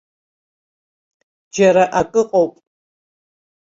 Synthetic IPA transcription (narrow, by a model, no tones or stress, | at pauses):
d͡ʒɐɾɐʔakʼɨqʼowpʼ